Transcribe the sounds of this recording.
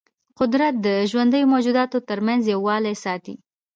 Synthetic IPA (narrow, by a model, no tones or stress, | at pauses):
qʊd̪ɾat̪̚d̪əʒwand̪əjomod͡ʒud̪ɑt̪ot̪əɾmanzjawːɑlajsɑt̪ḭ